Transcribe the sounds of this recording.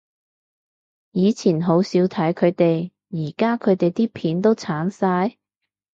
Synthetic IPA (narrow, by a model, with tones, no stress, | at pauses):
jiː˨˧t͡sʰiː˨˩nɦo˨˥wsiː˨˧˥wt̪ʰɐ˨˥jkʰɵ˨˧ɥt̪e˨j | jiː˨˩kaː˥kʰɵ˨˧ɥt̪e˨jt̪iː˥pʰiː˨˥nt̪o˥wt͡sʰaː˨˥nsaː˧j